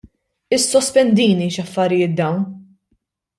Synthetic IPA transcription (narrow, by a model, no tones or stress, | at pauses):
ɪsːɔspɛnd̪iːniʃɐfːɐɾɪjɪːt̪̚d̪ɐwn